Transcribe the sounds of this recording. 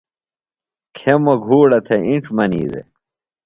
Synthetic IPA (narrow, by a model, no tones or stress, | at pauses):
kʰemɐɡʱuːɽɐt̪ʰeiʈ͡ʂmɐnḭːd̪ḛ